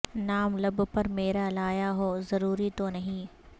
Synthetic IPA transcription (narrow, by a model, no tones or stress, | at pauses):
naːmlɐbpɐɾmeːɾalaːjaɦoːzɐɾuːɾit̪onɐɦĩː